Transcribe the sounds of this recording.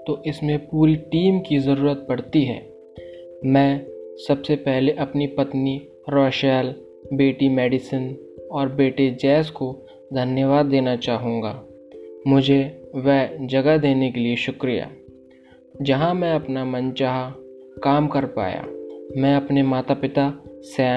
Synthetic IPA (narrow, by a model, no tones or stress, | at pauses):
t̪oːʔɪsmẽpuːɾiʈiːmkizɐɾuːɾət̪̚bɐɽt̪iɦɛ̰ː | mɛ̃ːsɐbsepɛɦleʔɐpnipɐt̪ni | ɾɔːʃəl | beːʈimɛːɖɪsən | ɔːɾbeːʈed͡ʒɛːsko | d̪ʱɐnjəʋaːd̪ːeːnat͡ʃaːɦũːŋɡaː | mʊd͡ʒʱeʋɛd͡ʒɐɡad̪eːnekelieʃʊkɾija̰ː | d͡ʒɐɦãmɛ̃ɐpnamɐnt͡ʃaːɦakaːmkɐɾpa̰ːja̰ːmɛ̃ɐpnemaːt̪apɪt̪asɛː